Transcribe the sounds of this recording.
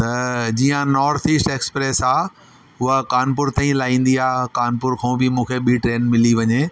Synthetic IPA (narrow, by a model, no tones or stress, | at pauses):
t̪ɐd͡ʑiːə̃nɔːɾt̪ʰiːsʈeːkspɾeːsaː | ɦʊɦəkaːnp̬ʊɾt̪aːĩlaːĩːn̆d̪iaːkaːnpʊɾkʰõːbɪmũːkʰeɓiʈɾeːnmɪliʋɐɲeː